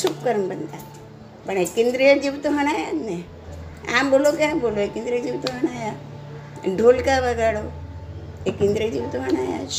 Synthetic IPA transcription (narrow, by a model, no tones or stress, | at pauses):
supkəɾəɳbənt̪at̪ | pəɳekẽnd̪ɾijəd͡ʑiʋt̪oɦəɽ̃ajane | ã̰mbolokaboloekend̪ɾijəd͡ʒiʋt̪oɦəɽ̃aja | ɖʱolkabəɡaɽo | ekĩnd̪ɾiəd͡ʑiʋt̪oɦəɽ̃aja̰